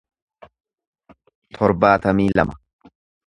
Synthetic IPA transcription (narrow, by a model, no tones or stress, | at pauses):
t̪ʰɔɾbaːt̪ɐmiːlɐ̰mɐ